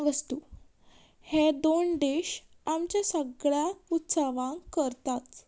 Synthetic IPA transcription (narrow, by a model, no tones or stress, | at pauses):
ʋəst̪uː | hed̪oɳɖ̪eɕ | amt͡ɕjasəɡɭjaut̪saʋãŋkəɾt̪at̪